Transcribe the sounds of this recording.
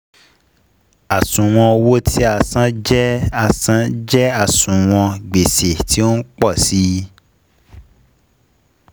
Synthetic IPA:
a˨sũ˨w̃ɔ̃˧wo˦tʰi˦a˧sã˦d͡ʒɛ˦a˧sã˦d͡ʒɛ˦a˦˨sũ˨w̃ɔ̃˧ɡ͡be˨se˨ti˦o˦n̩˦k͡pɔ˦˨si˨˦

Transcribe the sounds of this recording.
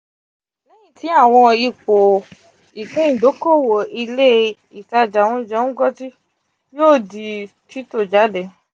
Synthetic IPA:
lɛ˦j̃ĩ˦˨ti˨˦a˦˨w̃ɔ̃˧i˧k͡po˨ | i˨kũ˨˦ĩ˦˨do˨˦ko˦˨wo˨i˧le˦ | i˨ta˧˨d͡ʒa˨w̃ɔ̃˧˨d͡ʒɛ˧˦ũ˦ɡɔ˦ti˦ | joː˦˨di˨ | tʰi˦to˦˨d͡ʒa˨˦dɛ˨

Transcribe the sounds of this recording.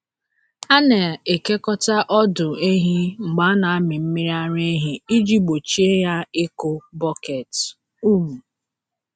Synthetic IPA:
a˦ne˨e˨ke˦kɔ˦ta˦ʔɔ˦dʊ˨e˦ɦi˦ŋ͡m̩˨ɡ͡ba˦na˨a˦mɪ˨m̩˦mi˦ɾi˦a˦ɾe˦ɦi˦i˦d͡ʒi˦ɡ͡bo˨t͡ʃi˦e˦ja˦ɪ˦ko˦bɔ˦ke˨t | u˦mu˨

